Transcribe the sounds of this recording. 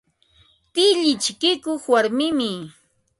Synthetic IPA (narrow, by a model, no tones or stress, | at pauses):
t̪ɪʎɪt͡ʃkɪkoχwaɾmɪmɪ